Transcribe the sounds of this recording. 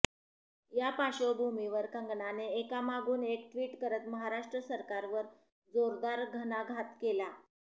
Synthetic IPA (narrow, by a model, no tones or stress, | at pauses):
japaɕobʱumiʋəɾkəŋɡɳaneːkamaɡuːnek̚ʈʋiːʈkəɾət̪məɦaɾaʂʈɾəsəɾkaɾʋəɾ | d͡zoɾd̪aɾɡʱənaɡʱat̪kela